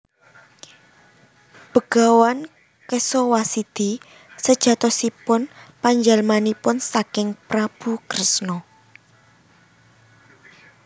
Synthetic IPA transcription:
b̥ə̤ɡ̥a̤wan | kesɔwasid̪̥i | səd̥ʒ̥ä̤t̪ɔsipʊnpaɲd͡ʒalmanipʊnsakɪŋpɾab̥ṳkɾɪsnɔ

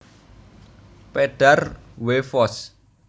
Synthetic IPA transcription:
peɖ̥arwefɔs

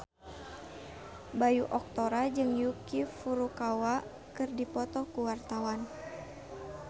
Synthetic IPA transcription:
bajuʔɔk̚t̪oɾad͡ʒɨŋjukifuɾukawa | kɨrdipɔt̪ɔkuwart̪awan

